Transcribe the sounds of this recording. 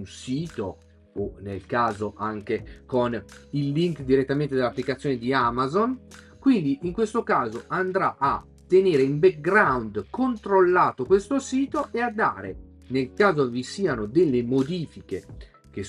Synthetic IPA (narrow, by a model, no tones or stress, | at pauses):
nsiːt̪o̰ | onelkaːzoʔaŋkekonilːiŋkd̪iɾet̪ːamẽnt̪ed̪elapːlikat̪sːjoːned̪iamazon | kwind̪iʔiŋkwest̪okaːzoʔand̪ɾaʔa | t̪ːeneːɾeimbek̚ɡɾawnd̪kont̪ɾolːaːt̪okwest̪osiːt̪oʔead̪ːa̰ːɾḛ | nelkaːzovisiːanod̪elːemod̪iːfik̟e | k̟es